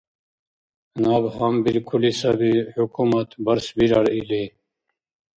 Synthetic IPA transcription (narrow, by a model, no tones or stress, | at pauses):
naːbɦambiɾkʰulisabihukʰumɐt̪bɐɾsbiɾaɽili